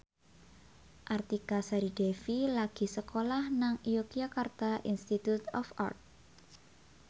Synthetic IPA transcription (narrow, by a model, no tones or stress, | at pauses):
ʔart̪ikasaɾid̥efilaɡ̥i̤səkolahnaŋijokijakart̪aʔinst̪it̪ut̪ɔfa̰rt̪̚